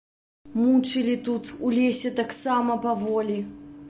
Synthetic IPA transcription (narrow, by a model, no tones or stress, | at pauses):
mut͡ʂɨlʲit̪ut̪ulʲesʲɛt̪aksamɐpavɔlʲi